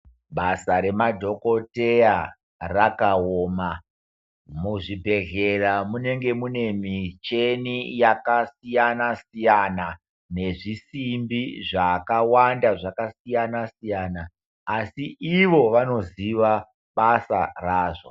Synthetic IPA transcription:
ɓasaɾe̞madʱo̞kote̞a | rakaoːma | muʐibʱe̞ɣe̞ramune̞ŋɡe̞mune̞mit͡ʃe̞nijakasijanasijana | ne̞ʐisimbiʐakawandaʐakasijanasijaːnaː | siʔiʋo̞ʋano̞ziʋa | ɓasaraːʐo

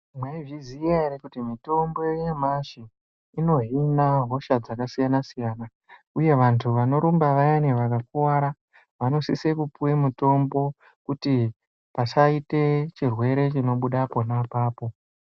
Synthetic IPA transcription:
mwaivizijaeɾekutimito̞mbo̞jemaʃe | ino̞ɦinaɦo̞ʃad͡zakasijanasijaːna | uje̞ʋantʰuʋano̞ɾumbaʋajaneʋakakuwaɾa | ʋano̞sisekupuwemuto̞mbo̞ | kuti | pasaite̞t͡ʃirwe̞ɾe̞t͡ʃino̞ɓuɗapo̞napaːpo̞

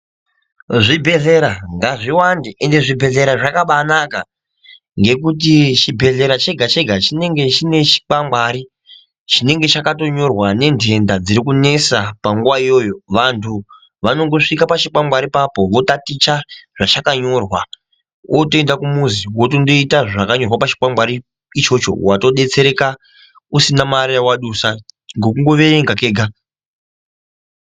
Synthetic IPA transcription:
ʐibʱe̞ɮe̞ɾaŋɡaʐiwandeʔende̞ʐibʱe̞ɮe̞ɾaʐakaɓanaka | ŋɡe̞kut̬it͡ʃibʱe̞ɮe̞ɾat͡ʃe̞ɡʱat͡ʃe̞ɡʱat͡ʃine̞ŋɡe̞t͡ʃine̞t͡ʃi̥k͡pamaːɾi | t͡ʃine̞ŋɡe̞t͡ʃakato̞ɲo̞rwane̞ndʰʱe̞ndad͡ziɾikune̞sapaŋɡuʋaijo̞ːjo̞ʋantʰu | ʋano̞ŋɡo̞ʂikapat͡ʃik͡pambaɾipapo̞ʋo̞tatit͡ʃaʐ̥at͡ʃakaɲo̞ːrwa | ʔotoendakumuziwotondo̞itaʐakaɲo̞rwapat͡ʃi̥k͡pamɡ͡baɾi | it͡ʃo̞t͡ʃo̞̰wato̞ɗe̞t͡se̞ɾe̞ka | usinamaɾijawaɗusaŋɡo̞k̬uŋɡo̞ʋeeŋɡake̞ːɡʱa

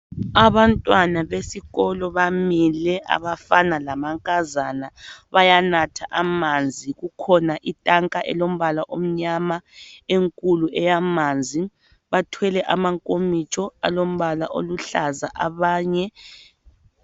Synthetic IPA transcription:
aβantʼwanaβesiɣɔlɔβamilɛʔa̰βafanalamaŋkʼazanaβajanatʰaʔamand͡zʱiɣukʰɔnaʔitʼaŋkʼaʔɛ̰lom̩βalaʔom̩ɲamaeŋkʼuluɛjamand͡zʱi | βatʰwɛlɛʔamaŋkʼomit͡ʃʼɔa̰lom̩βalaʔoluɬazaʔaβaːɲɛ

